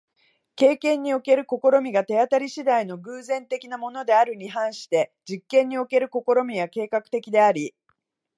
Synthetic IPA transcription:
ke̞ːkẽ̞ɲ̟ːio̞ke̞ɾɯ̟ko̞ko̞ɾo̞mʲiɡat̪e̞at̪aɾʲiɕid̪aino̞ɡɯ̟ːzẽ̞nt̪e̞kʲinamo̞no̞d̪e̞aɾɯ̟ɲ̟iɦãɰ̃ɕi̥t̪e̞d͡ʑikːẽ̞ɲ̟ːio̞ke̞ɾɯ̟ko̞ko̞ɾo̞mʲijake̞ːkakɯ̟̥t̪e̞kʲid̪e̞aɾʲi

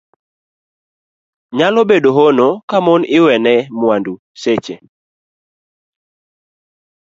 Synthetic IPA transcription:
ɲalɔbedoɦonokamɔnɪwɛnɛmwandu | set͡ʃe

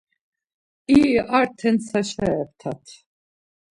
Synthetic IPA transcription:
iaɾt̪ʰɛnsaʃaɛɾt̪ʰat̪ʰ

